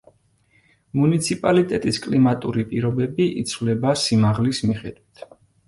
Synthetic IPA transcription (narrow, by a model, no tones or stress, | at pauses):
munit̪sʰipʼalit̪ʼɛt̪ʼiskʼlimat̪ʼuɾipʼiɾɔbɛbiʔit̪sʰvlɛbasimaʁlismiχɛd̪wit̪ʰ